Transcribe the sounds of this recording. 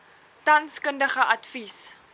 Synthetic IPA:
tɐnskəndəχəʔɐtfis

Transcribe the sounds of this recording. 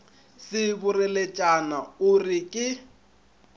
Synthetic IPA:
sɪbʊrɛlet͡ʃʼanaʊrɪkʼɪ

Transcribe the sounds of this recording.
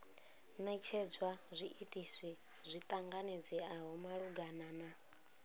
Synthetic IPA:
nɛt͡ʃʰɛd͡zwazʷiʔitʼisʷi | zʷit̪ʼaŋɡanɛd͡zɛaɦɔmaɺuɡanana

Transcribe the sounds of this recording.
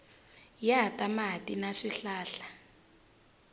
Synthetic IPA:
jaatʼamaɦatʼinaʂiɬaːɬḁ

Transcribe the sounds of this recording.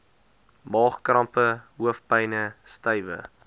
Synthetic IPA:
bɑːχkrɐmpəɦuəfpɛjnəstɐjvə̰

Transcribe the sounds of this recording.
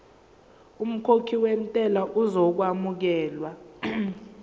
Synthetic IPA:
um̩kʰokʰiwem̩tʼɛlaʔuzɔk̬wamuk̬ɛːlwa

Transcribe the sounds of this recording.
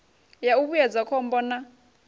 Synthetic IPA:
jauk̬ujɛd͡zakʰɔmbɔna

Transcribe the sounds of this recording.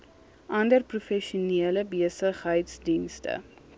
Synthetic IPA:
ʔɐndərprufɛʃuniələbiəsəχɦəjtsdinstə̰

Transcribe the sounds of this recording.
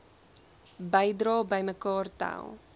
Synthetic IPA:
bəjdrɑːbəjməkɑːrta̰lˠ

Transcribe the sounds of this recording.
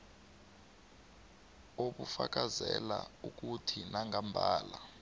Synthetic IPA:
oɓufak̬ʼazɛlauk̬ʼutʰinaŋambʱaːla

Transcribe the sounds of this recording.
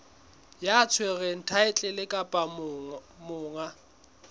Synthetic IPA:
jat͡sʰweɣɛn̩tʰaɪt͡ɬʼɛlɪkʼapʼa | mʊːŋa

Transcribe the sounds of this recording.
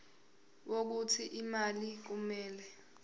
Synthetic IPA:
wok̬utʰiʔimalik̬umɛːlɛ

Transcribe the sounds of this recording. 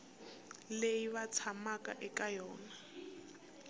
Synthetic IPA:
lejiβat͡sʰamakʼa̰ʔɛkajɔːna

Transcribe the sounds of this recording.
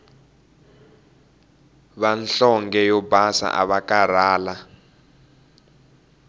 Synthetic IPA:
βanɬɔŋɡɛjɔbasa̰ʔa̰βakaraːla

